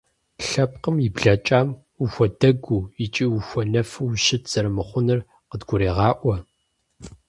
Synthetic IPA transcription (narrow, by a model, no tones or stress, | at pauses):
ɬɐp̚qəmjɪbɮɐt͡ʃʼaːm | uxʷɔdɐɡʷuːɪt͡ʃʼiːwuxʷɔnɐfɨwʃɪtʰz̥ɐɾɐmɨχʷʊnɨr | qədɡʷʊɾeːʁɑːʔʷɔ